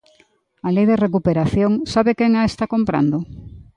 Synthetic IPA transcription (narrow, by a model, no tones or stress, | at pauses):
alejðerek̬upeɾaθjoŋsaβekeŋaest̪akompɾa̰nd̪o